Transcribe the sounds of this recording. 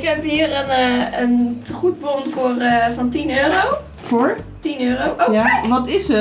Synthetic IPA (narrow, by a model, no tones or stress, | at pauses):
ɪkɦɛpɦiːərənənχut̚bonfʊːrəfɑntinøːrow | fʊɹtinøːrowojaʋɔtɪsə